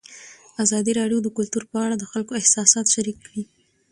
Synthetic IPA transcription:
azɑd̪iɾɑɖjod̪əkʊlt̪uɾpəaɽad̪əxalkoɪhsɑsɑt̪ʃaɾikːɽi

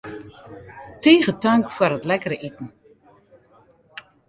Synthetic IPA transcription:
tiːɣətœŋkfwərətlɛkəɾəʔitn̩

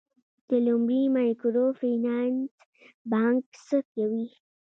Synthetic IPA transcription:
d̪̥əlʊmɽimankuɾofinans | bɑŋksəkawi

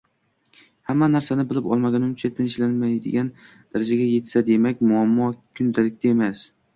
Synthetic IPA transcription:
hamːanaɾsanɪbɪlɪpɒ̰lˠmaɡʲanʊmt͡ʃʰat̪ʰɪnʃlanmajd̪ɪ̰ɡʲan | d̪̥aɾad͡ʒaɡʲaje̞t̪sad̪e̞makʲmʊamːɒkʲʰʊnd̪alɪk̚ʲt̪aemas

